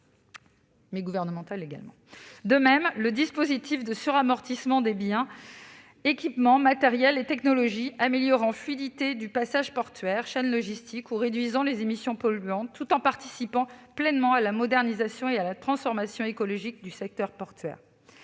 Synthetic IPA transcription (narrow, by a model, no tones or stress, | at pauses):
mɛɡuvɛʁnəmɑ̃t̪aleɡa̰lmɑ̰̃d̪əmɛmləd̪ispozit̪ifd̪əsyʁamɔʁt̪ismɑ̃d̪ebjɛ̃ | ekʲipmɑ̃mat̪ɛʁjɛlet̪ɛknɔlɔʒiameljɔʁɑ̃flɥid̪it̪ed̪ypasaʒpɔʁt̪ɥɛʁʃɛnlɔʒist̪ikuʁed̪ɥizɑ̃lezemisjɔ̃pɔlyɑ̃t̪ːut̪ɑ̃paʁt̪i̥sipɑ̃plɛnmɑ̃alamɔd̪ɛʁnizasjɔ̃ealat̪χɑ̃sfɔʁmasjɔ̃ekɔlɔʒik̚d̪ysɛk̚t̪œʁpɔʁt̪ɥɛ̰ːʁ